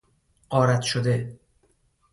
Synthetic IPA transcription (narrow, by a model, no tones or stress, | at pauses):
ɢɒːɾæt̪ʃod̪e